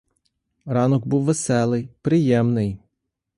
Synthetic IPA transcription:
ɾɑnɔɡbuwʋesɛlˠɪjpɾɪjɛmnɪj

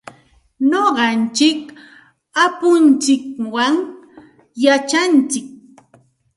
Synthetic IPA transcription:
noɢɑnt͡ʃɪk | apʊnt͡ʃɪkwaŋ | jat͡ʃant͡ʃɪk̚

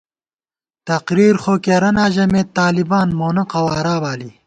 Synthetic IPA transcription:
t̪ɐqɾiːɾxoːkeːɾɐnaːʑɐmeːt̪ːaːlibaːnmoːnɐqɐwaːɾaːbaːli

